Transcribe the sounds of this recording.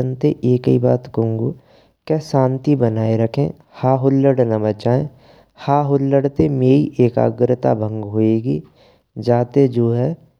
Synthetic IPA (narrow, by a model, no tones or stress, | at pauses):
ənt̪eʔeːkibaːt̪kəũŋɡoː | kɛsãːnt̪ibənaːeɾəkʰḛ̃ː | haːɦʊlːəɽnəbət͡ʃaːẽ | haːɦʊlːəɽt̪emeːiʔeːka̰ːɡɾət̪a̰bʱə̃ŋɡɦoːeːɡiː | d͡ʒaːt̪ed͡ʒoːɦɛ